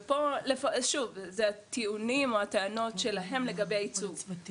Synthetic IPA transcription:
po̞lefaʃuvzeat̪iunimo̞at̪eano̞tʃe̞laɦe̞mle̞ɡabejait͡suɡ

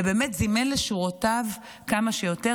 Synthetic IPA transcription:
beːmetzimenleʃuʁotav | kamaʃejo̞te

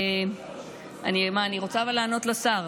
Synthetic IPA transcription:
animaːniʁot͡savalaːno̞t̪lasaʁ

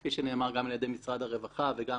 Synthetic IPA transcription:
iʃene̞ːmaʁɡamaljad̪e̞jmisʁad̪haʁevaχaveɡa

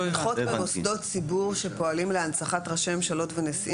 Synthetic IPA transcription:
χot̪bemosd̪o̞tsibuʁʃe̞po̞alimleansaχatʁaʃememʃalo̞tvenesi

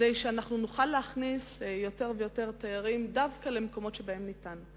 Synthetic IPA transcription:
dejʃeanaχnunuχalːeaχnisjo̞teʁvejo̞te̞ʁtajaʁimdavkale̞meko̞mo̞tʃebae̞mnitan

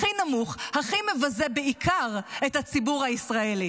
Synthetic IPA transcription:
inamuχhaχimevazebeikʰaʁethat͡sibuʁhaisʁaeli

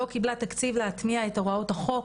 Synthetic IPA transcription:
o̞kiblat̪akt͡sivleat̪miaetaʁaothaχo̞

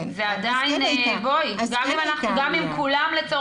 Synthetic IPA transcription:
zeadainvojɡamimanaχuɡamimkulamlet͡so

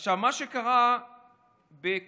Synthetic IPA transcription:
ʃavmaʃekaʁa | bek

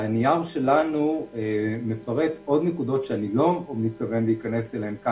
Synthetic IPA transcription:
niaʁʃe̞lanuemefaʁe̞t̪o̞d̪nekud̪o̞tʃeanilo̞omnit̪̚kave̞nveikane̞seleemka

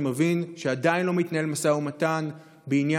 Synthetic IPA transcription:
mevinʃeadainlo̞mit̪nae̞lmasaumatan | beinja

